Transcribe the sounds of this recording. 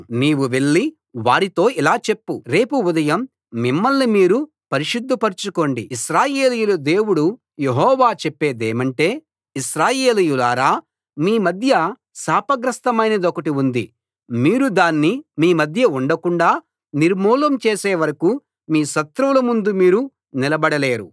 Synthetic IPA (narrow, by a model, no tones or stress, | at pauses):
niːwuʋe̞ɭːi | ʋaːɾit̪o̞ːilaːt͡ʃe̞pːuɾe̞ːpuud̪ɐjɐm | mimːɐlːimiːɾu | pɐɾiʃud̪ːupɐɾt͡ʃuko̞ːɳɖḭiʃɾaːje̞ːlijulɐd̪e̞ːwuɽu | je̞ɦɔːʋaːt͡ʃepːe̞ːd̪eːmɐɳʈe̞ː | isɾaːje̞ːlijulaːɾaː | miːmɐd̪ʱjɐ | saːpɐɡɾɐst̪ɐmɐjnɐd̪ɔkɐʈiund̪ḭ | miːɾud̪aːnːimiːmɐd̪ʱjɐuɳɖɐkuɳɖaː | niɾmuːlɐmt͡ʃeːseːʋɐɾɐku | miːʃɐt̪ɾuʋulɐmund̪umiːɾu | nilɐbɐɽɐle̞ːɾṵ